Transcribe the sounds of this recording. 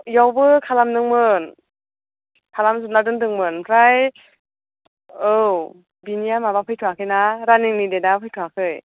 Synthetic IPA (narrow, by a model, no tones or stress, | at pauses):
jawbɯkʰalamdɯŋmɯn | kʰalams̬ɯnadɯntʰɯŋmɯnpʰɾaj | ɯw | binijamabapʰɯjtʰuwakʰɯnaɾaniŋnidedapʰɯjtʰuakʰɯj